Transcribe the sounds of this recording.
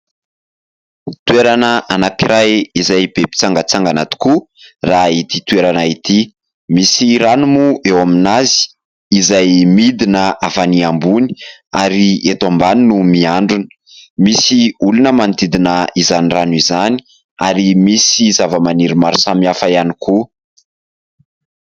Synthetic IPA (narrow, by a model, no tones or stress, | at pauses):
t̪weɾanəanakiɾajizajb̥epi̥t͡saŋɡət͡saŋɡanat̪u̥ku | rait̪it̪uweɾanait̪i | misiɾanumuʔewaminazi̥ː | zajmid̪inəavaniambuni̥aɾiet̪ambaninumiaɳɖ͡ʐunə̥ | misiulunəmant̪id̪inəizaniranizani̥ | aɾimisizavəmaniɾimaɾu̥samiafaaniku